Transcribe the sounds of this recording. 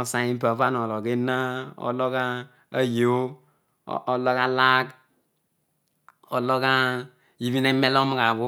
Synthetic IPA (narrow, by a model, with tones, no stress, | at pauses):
ɔ˨sa˨i˦m˦pa˨va˦n˨o˨lɔ˨ɡe˦na˦ɔ̰˨˦lɔ˦ka˦ | a˦jo̰˦˨ | ʔɔ˨lɔ˦ka˦la˦k | ɔ˨lɔ˦ka˦ | i˨˦βi˦ne˦me˦lɔ˦m˦ka˨bu˦